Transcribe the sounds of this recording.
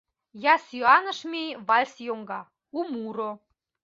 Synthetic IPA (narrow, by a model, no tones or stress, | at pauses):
jɑsyɑnə̆ʃmʲijβɑlʲsjoŋɡɑ | umuɾo